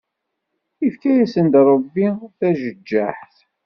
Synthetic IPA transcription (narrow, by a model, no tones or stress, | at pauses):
ifkæjæsənd̪ɾˤəbːiθæʒəd͡ʒːaħθ